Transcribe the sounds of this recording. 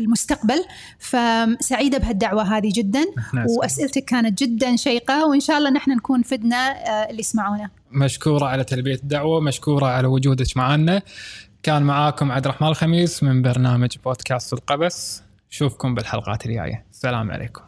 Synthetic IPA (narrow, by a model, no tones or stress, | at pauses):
ɪlmʊst̪aqbal | fasaʕiːd̪abɦad̪ːaʕwaɦaːðid͡ʒɪd̪ːanwʔasʔalt̪akːaːnat̪̚d͡ʒɪd̪ːanʃajqawɪnʃaːʔɑlˤːɑːnaħnankuːnfɪd̪naɪlːismaʕuːna | maʃkuːɾˤɑʕalat̪albijad̪ːaʕwamaʃkuːɾˤɑʕalawʊd͡ʒuːd̪ɪt̪maʕanːakaːnmaʕaːkʊmʕad̪ɾˤɑħmaːnɪlxamiːsmɪnbɑɾˤnaːmad͡ʒboːd̪kaːst̪ɪlqɑbas | ʃuːfkʊmbɪlħalqɑ̰ːt̪ɪlja̰ːja̰sːala̰ːmʕa̰lʔḛːkʊ̥m